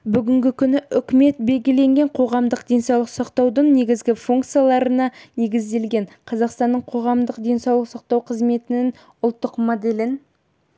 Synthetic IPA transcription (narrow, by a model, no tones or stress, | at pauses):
bʏɡʲɪŋɡʲɪkʲʰʏnɪʔʏkʲɪme̞t̪̚be̞lɡʲɪle̞ŋɡʲe̞ɴqʰo̞ʁɑmd̪əqd̪e̞nsɑwlˠəqsɑqt̪ɑwd̪əɴne̞ɡʲɪzɡʲɪfuŋkt̪sɨijalˠɑɾənɑne̞ɡʲɪzd̪e̞lɡʲe̞ɴqʰɑzɑqst̪ɑnːəɴqʰo̞ʁɑmd̪əqd̪ʲe̞nsɑwlˠəqsɑq̚t̪ɑwqʰəzme̞t̪ɪnɪŋ | ʊlˠt̪ːəqmod̪e̞lɪn